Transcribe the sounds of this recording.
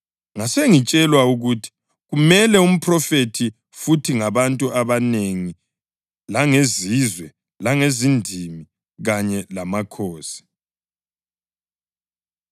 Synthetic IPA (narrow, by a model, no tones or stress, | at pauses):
ŋaseŋit͡ʃʼɛlwauɣutʰi̥ | ɣumɛlɛum̩pʰrɔfetʰi | futʰiŋaβantʼuaβaneŋi | laŋezizwɛ | laŋezindʱimi | ɣaɲɛlamakʰoːsi̥